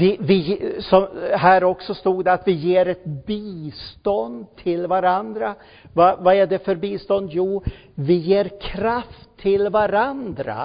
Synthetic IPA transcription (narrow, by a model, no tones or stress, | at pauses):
vɪvɪsɔmɦæːɾɔksɔst̪uːɡd̪ɛat̪vɪjeːɾɛt̪̚biːst̪ɔnd̪t̪ʰːɪlvaɾand̪ɾa | vavaæɖɛfœɾbiːst̪ɔnd̪juː | vɪjeːɾkʰɾaft̪ʰːɪlvaɾand̪ɾa̰